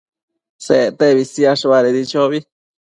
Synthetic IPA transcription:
set̪eβisiaʂuβaɾeðit͡ʃoβi

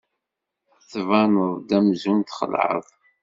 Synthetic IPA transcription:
θvɑnəðˤd̪æmzunt̪χə̰lʕə̰ðˤ

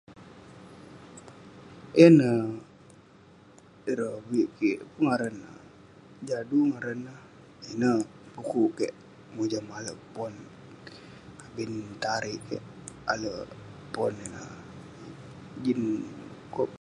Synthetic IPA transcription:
inə | iɾəbiʔkiʔpuŋaɾənə | d͡ʒaduŋaɾənəh | inə | bukukɛʔ | mud͡ʒamaləʔpɔn | abint̪aɾiʔkɛ̰ʔa̰ləpɔninə | d͡ʒinkɔ

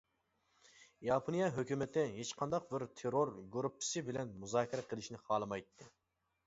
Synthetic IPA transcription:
jɑpʰonijɑɦøkʲymɪt̪ʰɪɦet͡ʃqʰɑnd̪ɑq̚bɪɾt̪ʰeɾoɾɡɾupʰːɪ̥sɪbɪlɛnmuzɑːkʲʰiɾɛqʰəlˠɨʃnɪχɑːlˠɨmɑjt̪ʰːɨ

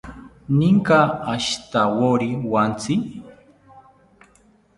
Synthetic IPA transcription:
niŋkaaʃt̪awoɾiwant͡si

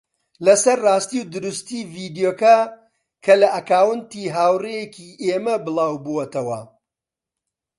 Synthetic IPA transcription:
lɐsɐɾraːst̪iwd̪ɨɾust̪iːviːd̪ijoːkɐ | kʰɐlɐʔɐkaːwɨnt̪iːɦaːwrejekiʔeːmɐbɨlˠaːwbuwɐt̪ɐwɐ̰

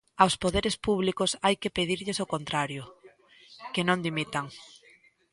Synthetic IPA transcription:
awspoðeɾespuβ̞likʊsajkepeðiɾʎɪsokont̪ɾaɾjʊ | kenõnd̪imit̪aŋ

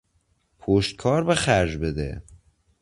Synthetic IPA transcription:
pʰoʃt̪̚kʰɒːɾbexæɾd͡ʒbed̪ḛ

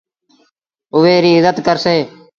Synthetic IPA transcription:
ʊʋeːɾiːɪzət̪kəɾseː

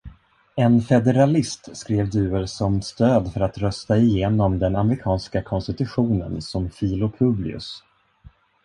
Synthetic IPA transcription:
ɛnfɛd̪ɛɾalɪst̪skɾeːvd̪ʉ̟ːəɾsɔmst̪øːd̪fœɾat̪ɾœst̪aɪjeːnɔmd̪ɛnamɾɪkʰɑːnskakʰɔnst̪ɪt̪ɵɧuːnə̰nsɔmfiːlʊpʰɵblɪ̰ɵ̰s

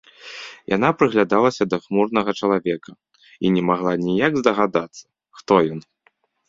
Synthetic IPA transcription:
jʔa̰n̪apɾɨɣlʲad̪alˠɐsʲɐd̪ɐxmurnɐɣɐt͡ʂɐlˠavʲɛkʰɐ | inʲɛmaɣlˠanʲijaɡzd̪ɐɣad̪at̪sːɐ̥ | xt̪ɔjɔn

